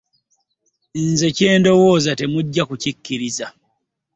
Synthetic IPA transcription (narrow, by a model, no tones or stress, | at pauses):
nze̞ce̞ːndo̞wo̞ːzate̞muɟːakucikːiɾiza